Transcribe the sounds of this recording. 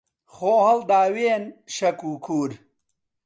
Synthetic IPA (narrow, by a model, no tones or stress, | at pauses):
xoːhɐld̪aːweːnʃɐkuːkʰuːɾ